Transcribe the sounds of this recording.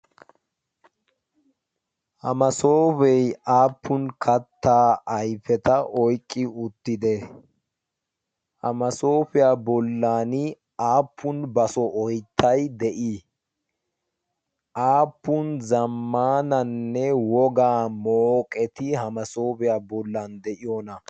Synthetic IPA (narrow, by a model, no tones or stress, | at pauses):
hɐmɐsoːbɛjaːpːʊnkʰɐt̪ːaːɐjfɛt̪ɐʔɔjkʼːɪʊt̪ːɪd̪ɛ | hɐmɐso̞ːpɪjaːbɔlːaːnɪ | aːpːʊnbɐsɔʔɔjt̪ʰːɐjd̪ɛʔi | ʔaːpːʊnzɐmːaːnɐnːɛwɔɡaːmoːkʼɛt̪ɪhɐmɐsoːbɪjaːbɔlːand̪ɛʔɪjɔnɐ